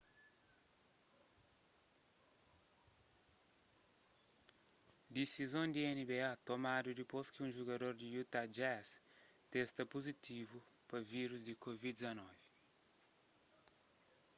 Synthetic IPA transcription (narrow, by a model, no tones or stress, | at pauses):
d̪esizõnd̪iɛnibeat̪omad̪ud̪iposkɪũʒuɡɐd̪oɾd̪ijut̪ad͡ʒɛs | t̪est̪ɐpozit̪ivu | pɐviɾuzd̪ikovidd̪izɐnɔvi